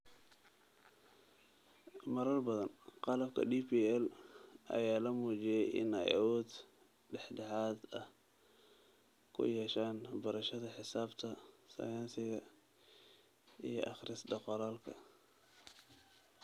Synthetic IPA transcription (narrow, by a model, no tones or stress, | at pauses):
mɐɾɐrbɐðɐnqɑlɐbkʰɐ̰ɖiːpiːɛlʔɐ̰jaːlɐmuːt͡ʃɪjɛjɪ̰nɛ̰jɐ̰wɔːd̪ | ɖɛħɖɛħaːd̪ɐh | kʰʊ̰jɛːʃaːnbɐɾɐʃɐðɐħɪsaːbt̪ʰɐsɐ̰jaːnsɪɣɐ | ḭjɞʔɑχrɪsɖɑqɔlaːlkʰɐ̰